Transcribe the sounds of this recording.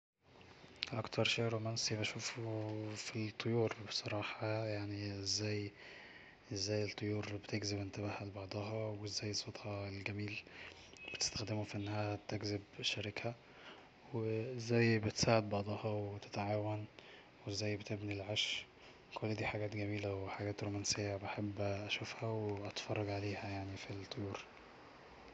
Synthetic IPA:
ʔɑkt̪ʰɑɾˤʃeːʔɾomænsibæʃuːf | fit̪ˤʰːojuːɾbesˤɑɾˤɑːħɑjaʕniʔezːæːj | ʔezːæːjet̪ˤːojuːɾbet̪eɡzebʔent̪æβæhælebɑʕd̪ˤɑɦɑweʔzːæːjːesˤot̪ˤhɑelɡæmiːl | b̥et̪e̥st̪æ̥xd̪emufiʔenːæhæt̪eɡzebʃːæɾɪkæ | weezːæjbet̪saːʕed̪̚bɑʕd̪ˤɑhɑwet̪e̥t̪ʕaːwæn | wezːæjbet̪ebnilʕaʃ | kʰolːæd̪iːħaɡæːt̪ɡæmiːlæweħaɡæːt̪ɾomænsejːæbaħebːʔæʃufhæweʔæt̪fɑrˤːɑɡʕaleːhæjaʕnifit̪ˤːojuːɾ

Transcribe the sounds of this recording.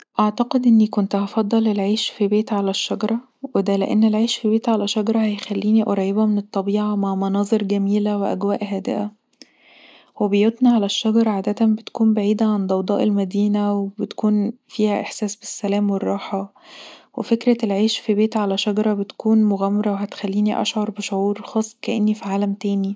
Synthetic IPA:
ʔaʕt̪ɑqed̪ʔenːikont̪hɑfɑd̪ˤːɑlelʕeːʃfibeːt̪ʕalæʃːɑɡɑɾˤɑ | wed̪æleʔḛnːelʕeːʃfibeːt̪ʕalæʃɑɡɑɾˤɑhæjxælːiːniʔɑɾˤɑjːebæmenet̪ˤːɑbiːʕɑmaʕmɑnɑːzˤeɾɡæmiːlæweʔæ̰ɡwæːʔhæːd̪ḛʔæ | webejot̪ˤniʕalæʃːɑɡɑɾˤɑʕaːd̪æt̪æbet̪æ̥kuːmbaʕiːd̪æʕand̪ˤɑwd̪ˤɑ̰ːʔelmæd̪iːnæwebet̪ækuːnfiːhæʔeħsæːsbesːælæːmwerˤːɑːħɑ | wḛfekɾæelʕeːʃfibeːt̪ʕalæʃɑɡɑɾˤɑbet̪kʰuːnmoɣæmːɑɾˤɑwehæt̪e̥xælːiːniʔɑ̰ʃʕɑɾˤbeʃoʕuːɾxɑːsˤːkæʔenːifiʕaːlæmt̪æːni

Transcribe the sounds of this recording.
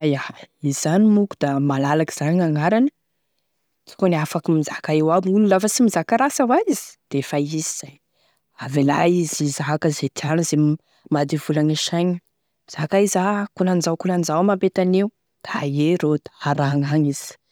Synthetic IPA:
jaizizanimuku̥d̪̥amalalaki̥z̥aɲaŋaɾanə̥ | t͡si̥koniafakimizakaewamululafəsimizakaɾasəwaiz̥i̥d̪̥efaiziz̥aj | avela̰izizaɦakəzet̪ianuzem | mad̪ivulaŋeʃajɲi | miz̥akaizakulanzawkulanizawmabet̪aneu | d̪̥ajeɾod̪̥aaɾaŋaɲiz̥i̥

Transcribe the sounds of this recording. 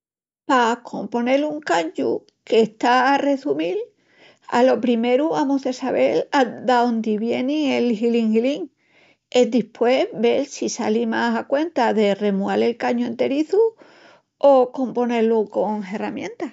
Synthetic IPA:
pakʰo̞mpo̞ne̞luŋkaɲu | ke̞ht̪aːre̞sumil | a̰lo̞pɾime̞ɾuamuθe̞saβe̞lad̪aond̪iβje̞nĩelhiliŋhliŋ | e̞d̪ihpwe̞βe̞lsisa̰limasakwe̞nt̪aðe̞re̞muale̞lkaɲue̞nt̪e̞ɾiθu | o̞ko̞mpo̞ne̞ɾluko̞ŋɦe̞ramjẽnt̪a

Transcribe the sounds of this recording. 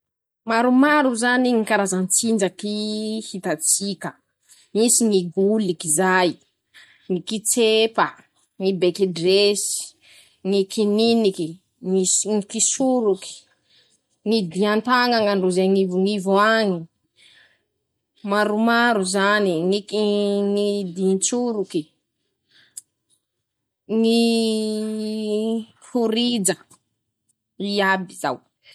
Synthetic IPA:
maɾumaɾuzaniŋikaɾazant͡sind͡ʒakihit̪at͡sikʲə | misiŋiɡulikizaj | ŋikit͡sepə | ŋibekidresi̥ | ŋikininiki | ŋisŋikisuɾuki̥ | ŋid̪iant̪aŋaŋaɳɖ͡ʐuzeŋivŋivoaŋi | maɾumaɾuzaniŋikiŋid̪int͡suɾuki | ŋi | huɾid͡zə | iabiza̰w

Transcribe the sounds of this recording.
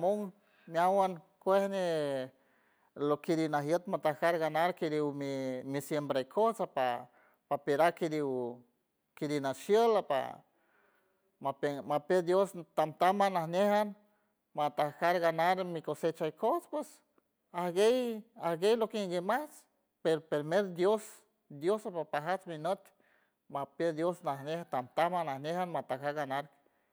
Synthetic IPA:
amoŋ | mjawan | kʷehne | lokiɾinaɦjət̪mat̪ahkaɾɡanaɾkiɾiwmimisjembɾajkʰosapa | papeɾakiɾiw | kiɾinaʃjəlapa̰ | mapemaped̪jost̪amt̪amanahnehan | mat̪akaɾɡanaɾmikoset͡ʃajkospwes | ahɡejahɡejlokeŋɡemat͡s | peɾopeɾmeɾd̪jos | d̪josapapaɦat͡sminət̪ | maped̪josnahnehat̪amt̪amanahnehanmat̪akaɾɡanaɾ

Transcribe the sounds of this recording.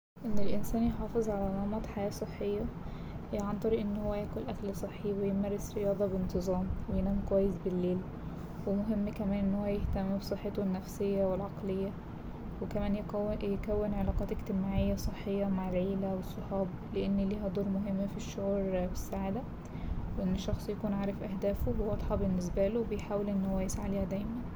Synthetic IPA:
ʔenːelʔensæːnjeħɑːfezˤʕalælɑmɑd̪ˤħajæːsˤeħːejːɑ | ʕant̪ˤɑɾiːʔenːhowːæjæːkolʔækælsˤeħːiwejemærːesɾejɑːd̪ˤɑbent̪ɨzˤɑːmwejenæːmkowæjːesbelːeːl | wemoɦemːkæmæːnʔenːhowːæjeht̪æmːbsˤeħːet̪oenːæfsejːæwelʕɑqlejːæ | wekæmæːnjjkæwːenʕelɑːqɑːt̪ekt̪emaːʕejːæsˤeħːejːɑmaʕelʕeːlæwesˤːɑħɑːb | leʔenːliːɦæd̪ˤoːɾmoɦemːfiʃːoʕuːɾbesːaʕaːd̪æ | weʔenːeʃːɑxsˤjækuːnʕaːɾˤefʔæɦd̪æːfowwɑd̪ˤħɑbenːes̬bælowebejħaːwelʔenːhowæjesʕaleːhæd̪æjmæn

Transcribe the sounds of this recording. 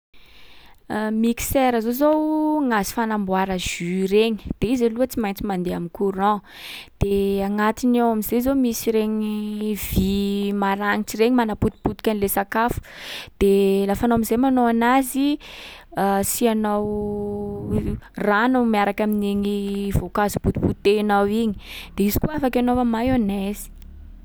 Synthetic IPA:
miki̥sɛɾəzozowŋazi̥fanambwaɾəʒ̥yɾeɲi̥d̪̥eizaluət͡simajnt͡simand̪eamikuɾã | d̪̥eaŋat̪inawamizezomisiɾeɲivimaɾaŋiʈ͡ʂireɲimanaput̪i̥put̪ikʲanilesakafu̥d̪̥elafanowamizejmanowanazi | asianaw | ranamiaɾakamineɲivokazubut̪i̥put̪enawiɲi̥d̪̥eizikuafakʲanovamajonɛzi̥

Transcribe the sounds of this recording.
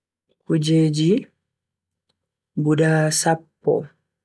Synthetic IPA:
kud͡ʒeːd͡ʒi | budaːsapːɔ̰

